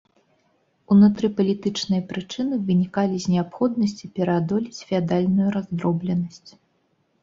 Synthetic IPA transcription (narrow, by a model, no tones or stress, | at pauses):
unut̪ɾɨpɐlʲit̪ɨt͡ʂnɨjɐpɾɨt͡ʂɨnɨvɨnʲikalʲizʲnʲɛapxɔd̪̚nɐsʲt͡sʲipʲɛɾɐad̪ɔlʲit͡sʲfʲad̪alʲnujuɾazd̪ɾɔblʲɛnɐsʲt͡sʲ